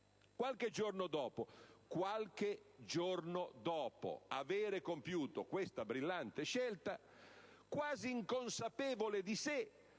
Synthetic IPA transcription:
kwalked͡ʒornod̪ɔːpokwalk̟ed͡ʒornod̪ɔːpo̰aveːɾekompjuːt̪okwest̪abɾilːant̪eʃɛlt̪a | kwaːziːŋkonsapɛːvoled̪ise

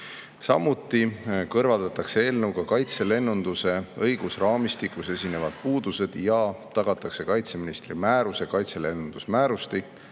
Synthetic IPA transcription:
sɑmːut̪ːˑikɤrvɑld̪̥ɑt̪ɑkse̞e̞ːlnɤwɡ̥ɑkɑjt̪se̞le̞nːund̪̥use̞ɤjɡ̥usrɑːmist̪ikːˑuse̞sʲine̞vɑd̪̥̚puːd̪̥use̞d̪̥jɑt̪ɑɡ̥ɑt̪ːˑɑkse̞kɑjt̪se̞minist̪rimæːɾuse̞kɑjt̪sele̞nːund̪̥usmæːɾust̪ik

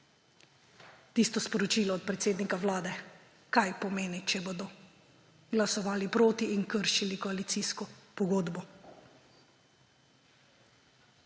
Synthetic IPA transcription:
t̪iːst̪ɔspɔɾɔt͡ʃiːlɔːt̪̚pɾɛt̪seːd̪nikawlaːd̪ɛ | kajpɔmeːnit͡ʃɛboːd̪ɔ | ɡlasɔʋaːlipɾoːt̪iːnkəɾʃilikɔalit̪siskɔpɔɡoːd̪bɔ

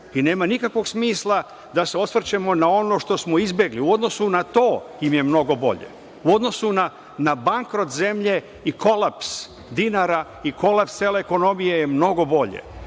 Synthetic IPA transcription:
ine̞ːmanikakʋo̞ɡsmiːslˠa | d̪ase̞o̞sʋr̩t͡ɕe̞mo̞nao̞no̞ʃt̪o̞smo̞izbjeɡliuo̞d̪no̞sunat̪o̞ːjimjemno̞ɡo̞bo̞̰ʎḛ | uo̞d̪no̞suna | nabaŋkɾo̞t̪ze̞mʎe̞ | iko̞lˠaps | d̪inaɾa | iko̞lapseːleːko̞no̞mije̞jemno̞ɡo̞bo̞ʎḛ

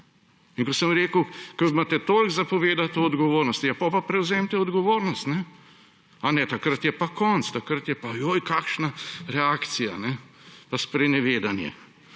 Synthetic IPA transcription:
iŋkosəmɾeːkəkəmat̪ɛt̪oːlɡzapɔʋeːd̪at̪oːd̪ɡɔʋoːɾnɔst̪ijapɔpapɾɛwzeːmt̪ɛɔd̪ɡɔʋoːɾnɔst̪nɛ | anɛt̪akɾat̪jɛpakɔnt̪st̪akɾat̪jɛpajojkaːkʃnaɾɛaːkt̪sija̰nɛ | paspɾɛnɛʋeːd̪anjɛ̰

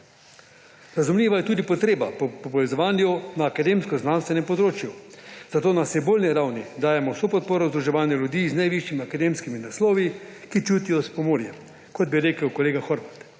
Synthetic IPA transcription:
ɾazumlʲiːʋajɛt̪uːd̪ipɔt̪ɾeːbapɔpɔpɔʋɛzɔʋaːnjunaːkad̪eːmskɔznanst̪ʋɛnɛmpɔd̪ɾoːt͡ʃjuzat̪oːnasiboːlniɾawnid̪aːjɛmɔwsoːpɔt̪̚poːɾɔzd̪ɾuʒɛʋaːnjalʲjud̪iːznajʋiʃjimiakad̪emskiminaslɔːʋikit͡ʃuːt̪ijɔspɔmoːɾjɛm | kɔd̪̚biɾeːkəwkɔleːɡaxɔɾʋat̪

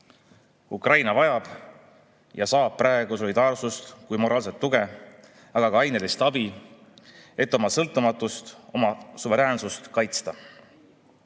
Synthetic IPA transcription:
ukrɑjnɑvɑjɑb̥ | jɑsɑːb̥̚prɑeɡ̥uso̞lʲid̪̥ɑːrsust̪kujmo̞ɾʔɑːlset̪ːuɡ̥e | ɑɡ̥ɑkɑɑjnelist̪ɑbi | e̞t̪ːo̞mɑsɤlt̪ːˑumɑt̪ːˑust̪o̞mɑsuve̞ɾeːnsust̪kɑjt̪st̪ɑ

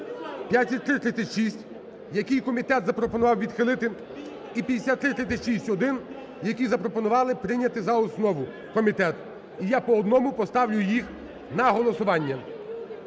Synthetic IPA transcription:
pʲjat̪ʲːɐt̪̚ʲt̪ːɾɪt̪ɾɪt̪t͡sʲɐtʲʃisʲtʲ | jɐkʲɪjkɔmʲit̪ɛt̪zɐpɾɔpɔnʊʋɑwʋʲid̪xɪlˠɪt̪ɪ | ipʲid̪esʲat̪ːɾɪt̪ɾɪsʲɐtʲʃisʲtʲɔd̪ɪn | jɐkʲizɐpɾɔpɔnʊʋɑlˠɪpɾɪnʲːɐt̪ɪzɐɔsnɔʋʊ | kɔmʲit̪ɛt̪ | ijapɔɔd̪nɔmʊpɔst̪ɑwlʲʊjix | nɐɦɔlˠɔsʊʋɑnʲːɐ

